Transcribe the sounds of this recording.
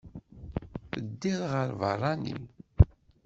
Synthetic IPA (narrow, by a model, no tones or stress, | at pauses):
əd̪ːiðʁəɾvə̰rˤːɑnḭn